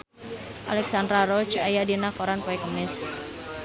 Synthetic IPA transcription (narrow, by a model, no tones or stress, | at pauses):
ʔa̰lɛksandɾaɾɔt͡ʃajadinakoɾanpɔɛkəmɪs